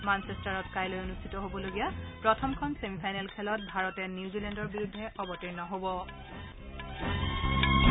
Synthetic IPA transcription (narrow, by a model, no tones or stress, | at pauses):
mansɛstaɹɔtkajlojonustʰitɔɦobɔloɡijapɹɔtʰɔmkʰɔnsemipʰajnɛlkʰɛlɔt̚bʱaɹɔtɛnjiuzilɛndɔɹbiɹudʱːɛʔɔbɔtiɹnɔɦobɔ